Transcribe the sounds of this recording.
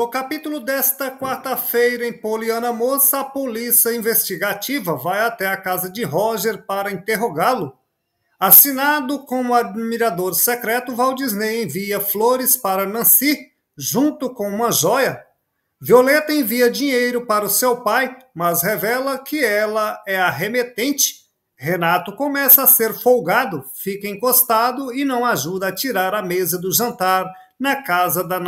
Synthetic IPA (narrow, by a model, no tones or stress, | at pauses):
nʊkapit̪ulʊd̪ɛst̪ɐkwaɾt̪ɐfejɾɐẽj̃poliɐ̃nɐmosɐɐpolisɐĩvest͡ʃiɡat͡ʃivɐvajat̪ɛakazɐd͡ʒɪɦɔʒeɾpaɾɐĩnt̪eɦoɡaɾlʊ | asinad̪ʊkõmʊad͡ʒmiɾad̪oɾsekɾɛt̪ʊvawd͡ʒiznejẽviɐfloɾɪspaɾɐnɐ̃si | ʒũnt̪ʊkõw̃ũmɐʒɔjɐ | violet̪ɐẽviɐd͡ʒiɲejɾʊpaɾɐʊsewpajmɐshevɛlɐkɪɛlɐɛaɦemet̪ẽnt͡ʃɪ̥ | henat̪ʊkomɛsɐːseɾfowɡad̪ʊfikɐẽkost̪ad̪ʊɪnɐ̃w̃aʒud̪ɐːt͡ʃiɾaɾɐmezɐd̪ʊʒɐ̃nt̪aɾ | nɐkazɐd̪ɐn